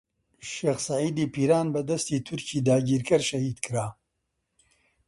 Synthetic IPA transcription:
ʃeːxsɐʕiːd̪iːpiːɾaːnbɐd̪ɐst̪iːt̪ʰʊɾciːd̪aːɟiːɾkɐɾʃɐhiːd̪kʰɨɾaː

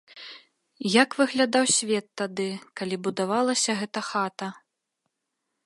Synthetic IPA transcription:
jakvɨɣlʲad̪awsʲvʲɛt̪ːad̪ɨkalʲibud̪avalˠɐsʲɐɣɛt̪ɐxat̪ɐ

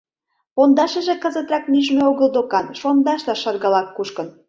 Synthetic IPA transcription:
pond̪ɑʃə̆ʒĕkə̆zə̆t̪rɑknyʒmeoɣəld̪okɑnʃond̪ɑʃlɑʃɑrɣɑlɑkːuʃkə̆n

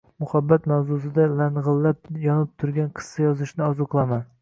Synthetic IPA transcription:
mʊhabːat̪mawzʊs̬ɪd̪alanʁɨlˠːap̚jɒnɪp̚t̪ʰʊɾɡʲanqʰɨ̥sːɑjɒzɪʃnɪɒzʊqlˠaman

